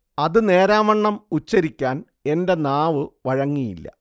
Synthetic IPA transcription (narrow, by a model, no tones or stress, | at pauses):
ɐðɨne̞ːɾaːmɐɳːɐmut͡ɕːɐɾikʲːaːn | e̞nde̞naːʋɨʋɐɻɐŋːijḭlːɐ̰